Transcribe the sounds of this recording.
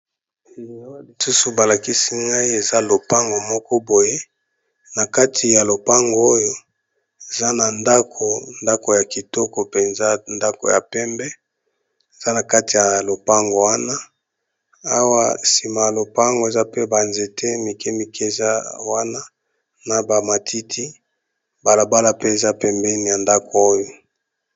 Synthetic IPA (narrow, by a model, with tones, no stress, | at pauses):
o˦li˨su˦su˨ba˨la˨ki˦si˦ŋɡa˦i˦e˨za˦lo˨pa˦ŋɡo˨mɔ˦kɔ˦bo˨je˦ | na˨ka˦tʰi˨ja˨lo˨pa˦ŋɡo˨o˦jo˦ | e˨za˦na˨nda˦kʰo˨nda˦ko˨ja˨ki˨tɔ˦ko˨pe˨nza˦nda˦ko̰˨ja̰˨pɛ˦mbɛ˦ | e˨za˦na˨ka˦ti˨ja˨lo˨pa˦ŋɡo˨wa˦na˦ | a˦wa˦si˨ma˨ja˨lo˨pa˦ŋɡo˨e˨za˦pe˦ba˨nze˨tʰe˦mi˨ke˦mi˨ke˦˨za˦wa˦na˦ | na˨ba˨ma˨tʰi˦tʰi˦ | ba˨la˨ba˦la˦pe˦e˨za˦pɛ˦mbɛ˦ni˨ja˨nda˦ko˨o˦jo˨